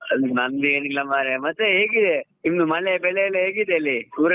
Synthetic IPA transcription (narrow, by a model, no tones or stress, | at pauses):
ɐnɐnd̪ieːnilːɐmaːɾemɐt̪ːeɦeːɡid̪e | imnumɐɭebɛɭejɐlːeɦeːɡid̪eɐlːiuːɾɐ